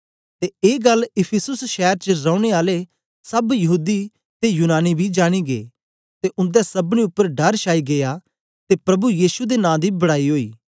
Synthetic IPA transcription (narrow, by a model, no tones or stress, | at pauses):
t̪eeːɡɐlɪpʰɪsʊsʃɛːɾt͡ʃəɾɐ̃ːʊɽ̃eaːle | sɐbjɐɦuːd̪i | t̪ejuːnaːnibʱid͡ʒaːɽ̃iɡḛː | t̪eʔʊ̃nd̪ɛsɐbɽ̃ĩʊpːəɾɖɐɾʃaːiɡeja | t̪epɾɐbujiːsud̪enãːd̪ibɐɽaːiɦoːḭː